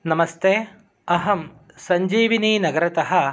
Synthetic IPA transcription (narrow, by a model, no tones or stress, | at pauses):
nɐmɐst̪eː | ɐɦɐm | sɐɲd͡ʒiːʋiniːnɐɡɐɾɐt̪ɐɦɐ